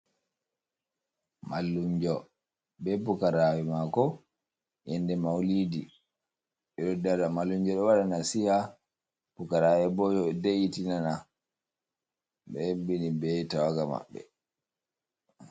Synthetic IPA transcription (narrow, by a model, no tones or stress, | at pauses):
malːuɲd͡ʒɔ | bɛpukaɾawɛmakɔ | jɛndɛmawlidi | ɓɛɗɔdadamalːuɲd͡ʒɔɗɔwaɗanasiha | b̥ukaɾawɛbɔd͡ʒɔɛdɛjitinana | ɓɛbinibɛtawaɡama̰ɓːɛ̰